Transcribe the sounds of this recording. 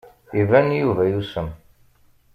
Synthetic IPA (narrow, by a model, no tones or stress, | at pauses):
ivænjuvæjusəm